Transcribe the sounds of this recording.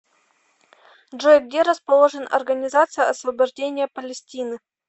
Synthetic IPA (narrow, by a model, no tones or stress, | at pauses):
ʐojɡ̚dʲeɾəspɐlˠoʐɨnʔɐ̰rɡənʲɪzat̪sɨjəɐsvɐbɐʐdʲenʲɪjəpəlʲɪsʲtʲinɨ